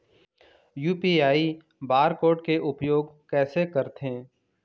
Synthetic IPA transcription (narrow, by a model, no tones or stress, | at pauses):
juːpiaːi | baːɾkoːʈkeʔʊpjoːɡkɛːsekəɾt̪ɦẽː